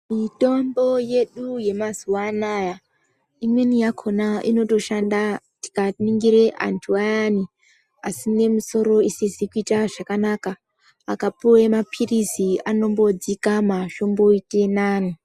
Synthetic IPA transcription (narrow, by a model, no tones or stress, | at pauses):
mito̞mbo̞je̞ɗuje̞mazuwanaja | imwe̞nijakʰo̞naʔino̞to̞ʃanda | ti̥kaniŋɡiɾe̞ʔa̰ntʰuajani | asine̞muso̞ɾo̞isizikuitaʐakanaka | akapuwemapʰiriziano̞mbo̞d͡zikamaʃo̞mbo̞ite̞naːni